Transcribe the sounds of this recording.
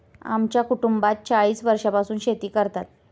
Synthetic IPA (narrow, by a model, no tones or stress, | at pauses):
a̰mt͡ɕjakuʈumbat̪̚t͡ɕaɭiːsʋəɾʂapasuːnɕet̪iːkəɾt̪at̪̚